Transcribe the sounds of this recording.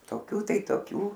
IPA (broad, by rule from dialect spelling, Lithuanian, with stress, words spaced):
toːˈkʲuː ˈtɐɪ toːˈkʲuː